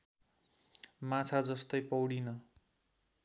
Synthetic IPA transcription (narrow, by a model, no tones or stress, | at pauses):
mãt͡sʰad͡zʌst̪ʌjpʌwɽinʌ